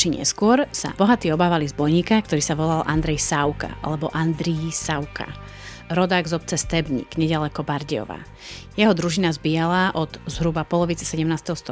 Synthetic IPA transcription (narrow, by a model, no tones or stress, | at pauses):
t͡ʃiɲɛ̰skʊɔɾsa̰b̥ɔɦat̪iːɔbaːʋalizbɔjɲiːkak̚t̪ɔɾiːsaʋɔlalʔand̪ɾɛjsaʊka̰ʔa̰lɛbɔʔand̪ɾiisawkʰa̰ | ɾɔd̪aːɡzɔp̚t͡sɛst̪ɛbɲḭɡɲɛɟalɛkɔbaɾɟɛɔ̰ʋa̰ː | jɛɦɔd̪ɾuʒinazbiːjalaʔɔd̪zɦɾubapɔlɔʋit͡sɛ̥sɛɟɛmnaːst̪ɛɦɔst̪ɔ